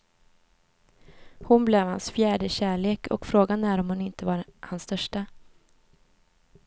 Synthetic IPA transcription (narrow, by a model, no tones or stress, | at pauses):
hʊnblɛvha̰nsfjæːɖəɕæːɭeːkʰɔ̰kfɾoːɡanæːɾɔmhʊnɪnt̪əvaɾhansːt̪œʂʈa